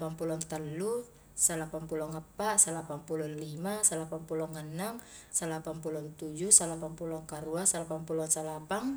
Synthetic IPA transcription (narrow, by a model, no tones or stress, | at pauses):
pampulɔŋt̪əlːu | salapampulɔŋəpːaʔsalapampulɔnlimasalapampulɔŋːənːaŋ | salapanpulɔnt̪ud͡ʒusalapampulɔŋkaɾuasalapampulɔŋsalapaŋ